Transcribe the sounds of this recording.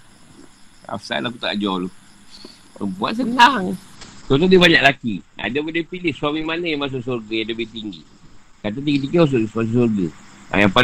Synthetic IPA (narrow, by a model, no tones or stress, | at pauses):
a̰sa̰lakut̪a̰ʔd͡ʒɔwlo | ə̰bua̰ʔ̪s̬ənaŋt̪ot̪̬odibaɲaʔlakia̰dabədapilɪhswamimanəjamas̬ʊʔsorɡəjaləbɪht̪iŋɡḭ | kat̪̬at̪̬iɡit̪ik̬əs̬smas̬uʔs̬orɡəa̰jaŋpa